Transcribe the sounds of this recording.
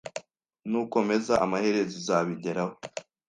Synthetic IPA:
nuko̞me̞zaʔamahe̞ɾe̞zizaβiɟe̞ɾaho

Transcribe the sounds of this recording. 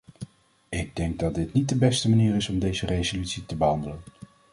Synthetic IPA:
ɪɡ̚dɛŋɡ̚dɑt̚dɪtnit̚dəbɛstəmaniːɾɪsɔmdejzərejzolytsitəbəɦɑndələn

